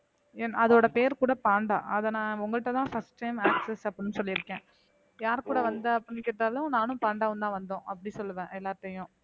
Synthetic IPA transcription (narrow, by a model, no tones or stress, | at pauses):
ɛnɐðoːɽɐpeːɾkuːɽɐpaːɳɖa̰ːʔɐðɐnãːʊŋɡɐɭɪʈːɐt̪ãːfɐsʈʈɐɪmaːksɛsɐpːɐɽɪnːɯsɔlːɪɾɯkːẽː | jaːɾkuːɽɐʋɐnd̪ɐɐpːɐnːɯkeːʈːaːlʊ̃naːnʊ̃paːɳɖaːʋɯnt̪ãːʋɐnd̪õːʔɐp̬ːɐɽĩsɔlːɯʋẽːʔɛlːaːɾt̪ːɐjʊ̃ː